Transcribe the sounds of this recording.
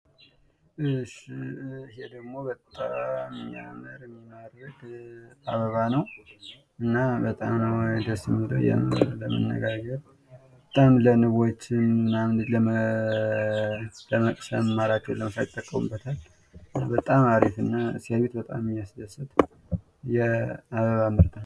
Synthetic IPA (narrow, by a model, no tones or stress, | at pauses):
ɨʃ | ɦed̪əɡmo̞bət̪ʼːamɨja̰məɾmːimaɾəɡaβəβanəw | ɨnːabət̪ʼamnəwɛd̪əsɨmlə̰jɛ̰ləmə̰nːə̰ɡaɡəɾ | bət̪ʼamlənɨβot͡ʃːɪmnamɨnd̪ɨləə | əəkʼsəmmaɾat͡ʃːɛwləməsajt̪ʼːəkʼːəmɨbːət̪ʰal | bət̪ʼamaɾifɨnːasəβet̪bət̪ʼamjasd̪əsːɨt̪ | jɛaβəβamɨɾt̪ʰa